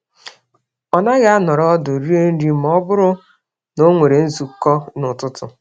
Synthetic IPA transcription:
ɔ˨na˦ɣa˦a˦nɔ˨ɾɔ˦dʊ˨ɾi˦e˦n̩˦ɾi˦m˦ɔ˦bʊ˦ɾʊ˦ | no˦ŋʷe˨ɾe˨n̩˦zu˨kɔ˦nʊ˨tʊ˦tʊ̰˨

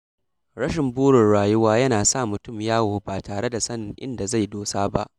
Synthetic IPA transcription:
ɽɐ˦ʃɪ˨mbuː˦ɽɪ˨nɽaː˨jʊ˦waː˦jɐ˦naː˨sa˦˨mʊ˨tʊ˦˨mjaː˦woː˨baː˨taː˨ɽe˦da˨sɐ˦nɪ˨ŋʔɪ̰˦nda˨za˦˨jdoː˦saː˦ba̰˦ʔ

